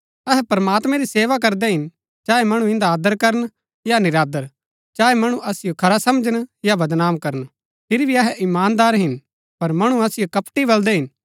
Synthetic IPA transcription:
ɐɦɛpɐɾɐmaːt̪mɛ̃ɾiseːʋak̬ɐɾd̪ɛɦɪn | t͡ʃaːɛmɐɽ̃ũɪ̃nd̪aːd̪əɾkɐɾən | janɪɾaːd̪əɾ | t͡ʃaːɛmɐɽ̃ũʔɐsɪjokʰɐɾasɐmd͡ʒənjabɐd̪naːmkɐɾən | pʰɪɾibʱiɐɦɛʔɪmaːnd̪aːɾɦɪn | pɐɾmɐɽ̃uɐsɪjokɐpʈibɐld̪ɛɦɪn

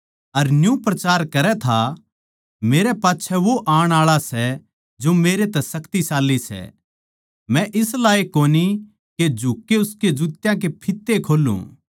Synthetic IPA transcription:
ɐɾnjũpɾɐt͡ʃaːɾkɐɾɛt̪ʰa | meːɾɛpaːtːʃʰɛʋoʔaːɽ̃aːɭasɛ | d͡ʒomeːɾet̪ɛsɐkt̪isaːlːisɛ̰ | mɛ̃ʔɪslaːekoːni | ked͡ʒʱuːkːeʊsked͡ʒut̪jãk̬epʰɪt̪ːekʰoːlṵ̃

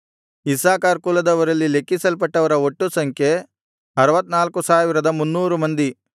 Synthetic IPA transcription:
isaːkaːɾkuːlɐd̪ɐʋɐɾɐlːile̞kːisɐlp̬ɐʈːɐʋɐɾɐoʈːusɐŋkʰje̞ | ɐɾɐʋɐt̪ːnaːlkusaːʋiɾɐd̪ɐmunːuːɾumɐnd̪i

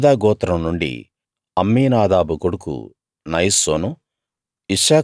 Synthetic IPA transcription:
d̪aːɡɔːt̪ɾɐmnuɳɖḭ | ɐmːiːnaːd̪aːbuɡoɽukṵ | nɐjsoːnu | iʂaː

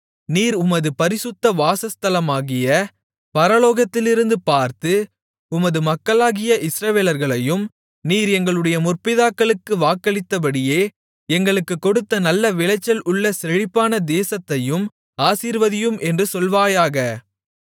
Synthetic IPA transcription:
niːɾʊmɐðɯpɐɾɪsʊt̪ːɐʋaːsɐst̪ɐlɐmaːɣɪjɐ | pɐɾɐloːɣɐt̪ːɪlɪɾɯnd̪ɯpaːɾt̪ɯ | ʊmɐðɯmɐkːɐɭaːɣɪjɐʔɪsɾɐʋeːlɐɾɣɐɭɐjɯm | niːɾɛŋɡɐɭɯɽɐjɐmʊrpɪðaːkːɐɭɯkːɯʋaːkːɐɭɪt̪ːɐp̬ɐɽɪjeː | ɛŋɡɐɭɯkːɯkːɔɽɯt̪ːɐnɐlːɐʋɪɭɐɪt͡ʃːɐlʊɭːɐsɛɻɪpːaːnɐd̪eːsɐt̪ːɐjɯm | aːsiːɾʋɐðɪjɯmʔɛndrɯsɔlʋaːjaːɣɐ

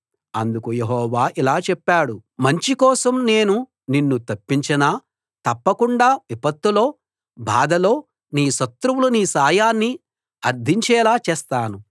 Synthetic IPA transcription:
ɐnd̪ukuje̞ɦɔːʋaːʔilaːt͡ʃɛpːaːɽumɐɲt͡ʃikɔːsɐmne̞ːnu | ninːut̪ɐpːiɲt͡ʃɐnaː | t̪ɐpːɐkuɳɖaːʋipɐt̪ːulo̞ː | bʱaːd̪ɐlo̞ː | niːʃɐt̪ɾuwuluniːsaːjaːnːi | ɐɾd̪ʱiɲt͡ʃɛːlaːt͡ʃɛːst̪aːnu

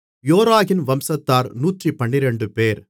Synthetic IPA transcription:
joːɾaːɣɪnʋɐmsɐt̪ːaːɾnuːʈripɐɳːɪɾɛɳɖɯpeːɾ

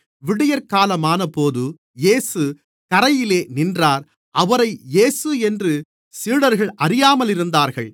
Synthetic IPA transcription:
ʋɪɽɪjɐɾkaːlɐmaːnɐpoːðɯ | jeːsɯ | kɐɾɐjɪleːnɪndraːɾ | ʔɐʋɐɾɐɪjeːsɯɛndrɯ | siːɽɐɾɣɐɭʔɐɾɪjaːmɐlɪɾɯnd̪aːɾɣɐɭ

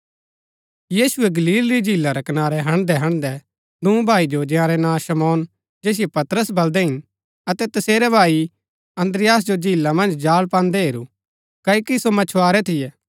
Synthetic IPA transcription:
jiːsʊɛɡɐliːlɾid͡ʒiːlːaɾɛkɐnaːɾɛɦɐ̃ɽ̃d̪ɛɦɐ̃ɽ̃d̪ɛ | d̪ũːbʱaːid͡ʒod͡ʒɪjãːɾɛnãːʃɐmɔːn | d͡ʒeːs̬ɪijɛpɐt̪ɾəsbɐld̪ɛɦɪn | ɐt̪ɛt̪ɐseːɾɛbʱaːi | ɐ̃nd̪ɾɪjaːs̬d͡ʒod͡ʒiːlːamɐ̃nd͡ʒd͡ʒaːlpãːnd̪ɛɦeːɾu | kɐikisomɐt͡ʃʰwaːɾɛt̪ʰɪjɛː

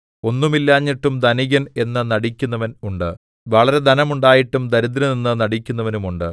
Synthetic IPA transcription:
o̞nːumilːaːɲːiʈːumd̪ɐniɣɐne̞nːɨnɐɽikʲːunːɐʋɐnuɳɖɨ | ʋɐɭɐɾe̞d̪ɐnɐmuɳɖaːjiʈːumd̪ɐɾud̪̬ɾɐninːɨnɐɽikʲːunːɐʋɐnumuɳɖɨ

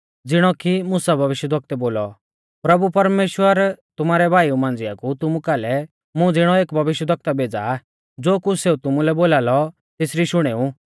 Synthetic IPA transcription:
d͡zɪɽ̃ɔkimʊsabʱɐʋɪʃjəd̪ʱʋɐk̚t̪ɛboːlɔ | pɾɐbupɐɾmeːʃwəɾt̪ʊmaːɾɛbʱaːiumãːn̆d͡zɪakut̪ʊmukaːlɛ | mũd͡zɪɽ̃ɔeːkbʱɐʋɪʃjəd̪ʱɐk̚t̪abʱeːd͡za̰ | d͡zoːkuseut̪ʊmulɛboːlaːlɔ | t̪ɪsɾiʃʊɽ̃eːu

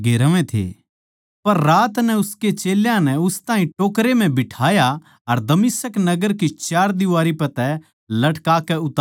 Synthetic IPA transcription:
ɡeːɾəʋẽt̪ʰḛː | pɐɾːaːt̪nɛʊsket͡ʃeːljãnɛʊst̪ãːɦĩʈoːkɾem̤ɛ̃bɪʈʰaːja | ɐɾd̪ɐmɪsəknɐɡəɾkit͡ʃaːɾd̪ɪʋaːɾipɐt̪ɛ | lɐʈkaːkɛʊt̪ː

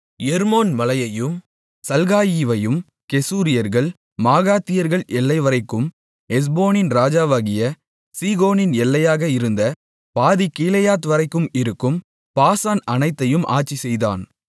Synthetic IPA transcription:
jɛɾmoːnmɐlɐjɐjɯm | sɐlɣaːjiːʋɐjɯm | kɛsuːɾɪjɐɾɣɐɭ | maːɣaːt̪ːɪjɐɾɣɐɭɛlːɐɪʋɐɾɐɪkːɯm | ɛs̬boːnɪnɾaːd͡ʒaːʋaːɣɪjɐ | siːɣoːnɪnɛlːɐjaːɣɐɪɾɯnd̪ɐ | paːðɪkːiːlɐjaːt̪ʋɐɾɐɪkːɯmɪɾɯkːɯm | paːsaːnɐnɐɪt̪ːɐjɯmʔa̰ːt͡ʃːisɛjða̰ːn

